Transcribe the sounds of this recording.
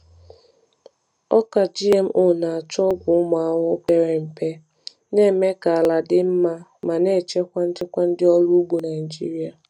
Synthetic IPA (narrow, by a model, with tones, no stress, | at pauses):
ɔ˦ka˨d͡ʒi˦e˦m̩˦ʔʊ˦na˨a˨t͡ʃɔ˦ɡʷʊ˨ʊ˦m˨a˨ŋʷʊ˦be˨ɾe˨m̩˨pe˦ | ne˦˨me˦ka˨la˨dɪ˦m̩˦ma˦ma˨ne˦˨t͡ʃe˦kʷa˦n̩˦t͡ʃɪ˦kʷa˦n̩˦dɪ˦ɔ˦lu˦ɡ͡bu˨na˨ɪ˨n˨d͡ʒḭ˦ɾi˦a˨